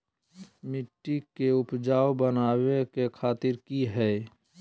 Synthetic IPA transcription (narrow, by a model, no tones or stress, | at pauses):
mɪʈːikeʊpd͡ʒaːobənaːwekekʰaːt̪ɪɾkiɦɛ